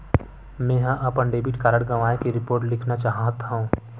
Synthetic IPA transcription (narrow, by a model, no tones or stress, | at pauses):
mɛ̃ːɦãʔɐpənɖeːbɪʈkaːɾəɽɡɐʋaːekiɾɪpoːɾʈlɪkʰnat͡ʃaːɦãt̪aɦũː